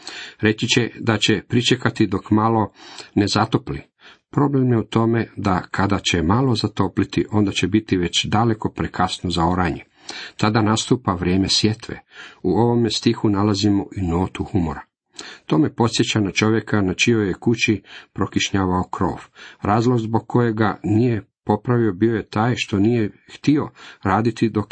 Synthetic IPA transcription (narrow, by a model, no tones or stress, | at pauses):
ɾe̞t͡ʃit͡ɕed̪at͡ɕe̞pɾit͡ʃekat̪id̪o̞kmalo̞nezat̪o̞plḭ | pɾo̞ble̞mjeut̪o̞me̞d̪akʰad̪at͡ɕemalo̞zat̪o̞plit̪iʔo̞nd̪at͡ɕebit̪iʋe̞t͡ɕd̪ale̞ko̞pɾekʰasnozaoɾaɲe | t̪ad̪anast̪uːpaʋɾʲjeːmesʋje̞t̪ʋḛuo̞ʋo̞mest̪ixunalazimoʔino̞ːt̪uhumo̞ɾa | t̪o̞ːme̞po̞t̪sjet͡ɕanat͡ʃo̞ʋje̞kanat͡ʃiojekut͡ɕipɾo̞kiʃɲaːʋaokɾo̞̰ːʋɾaːzlˠo̞ɡzbo̞ɡ̚kʰːo̞je̞ɡanije̞po̞pɾaʋio̞bio̞je̞t̪aːjʃt̪o̞nijext̪io̞ɾaːd̪it̪id̪o̞k